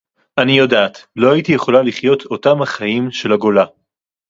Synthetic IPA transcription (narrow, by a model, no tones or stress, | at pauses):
ʔanijodaːtlo̞hajitije̞χo̞laliχjo̞tʰo̞tamhaχajimʃe̞laɡo̞la